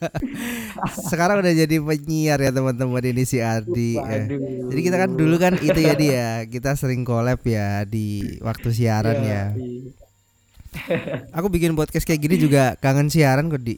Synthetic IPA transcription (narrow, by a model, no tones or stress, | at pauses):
səkaɾaŋudahd͡ʒadipəɲiarjat̪əmənt̪əməninisiardijəd͡ʒadikit̪akandulukanit̪ud͡ʒadijakit̪asəɾɪŋkolɛpjadiwʔa̰k̚t̪us̬iaɾanja | akubikɪnpɔt̪̚kaskajaɡinid͡ʒuɡakaŋənsiaɾankɔdi